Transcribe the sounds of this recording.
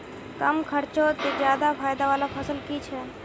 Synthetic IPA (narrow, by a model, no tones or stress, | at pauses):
kəmkʰəɾt͡ʃot̪ed͡ʒjaːd̪apʰaːjd̪aʋaːlapʰəsəlkit͡ʃʰɛː